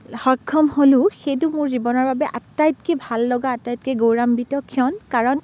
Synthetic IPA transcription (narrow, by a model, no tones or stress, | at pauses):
hɔkʰːɔmholʊxejt̬ʊmʊɹzibɔnɔɹbabɛʔatːajt̚kɛbʱalːɔɡaːtːajt̚kɛɡowɹambitɔkʰːiɔnkaɹɔn